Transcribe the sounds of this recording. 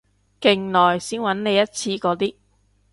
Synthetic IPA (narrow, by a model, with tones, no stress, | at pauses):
kɪ˨˩ŋlɔː˨˩jsiː˥nwɐ˨˧˥nne˨˧jɐ˥t̚t͡sʰiː˧kɔː˨˥t̪iː˥